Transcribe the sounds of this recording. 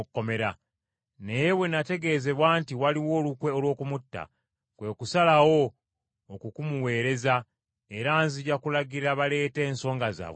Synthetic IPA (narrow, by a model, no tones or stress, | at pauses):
kːo̞me̞ɾa | ne̞je̞we̞nate̞ɡe̞ze̞βwaːntiwaliwo̞ːlukwe̞olwo̞ːkumutːa̰ | kwe̞kusalawo̞ː | kukumuwe̞ːɾe̞za | e̞ɾaːnziɟakulaɟiɾaβale̞ːte̞ːnso̞ːŋɡaza̰ːwe